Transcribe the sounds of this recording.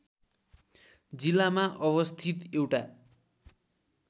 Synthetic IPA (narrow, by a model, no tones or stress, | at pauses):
d͡zilːamaʔʌβʌst̪ʰit̪ewʈa